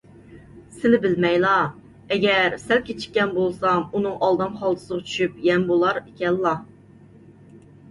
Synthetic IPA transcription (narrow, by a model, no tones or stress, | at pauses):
sɪnɪbɪlmɛjlˠɑ | ɛɡʲɛɾsælkʲʰet͡ʃʰi̥kʲːɛnbolˠsɑmunɨŋʔɑlˠd̪ɑmχɑlˠd̪ɨ̥səʁɑt͡ʃʰy̥ʃyp̚jɛmbolˠɑɾekʲɛlːɑ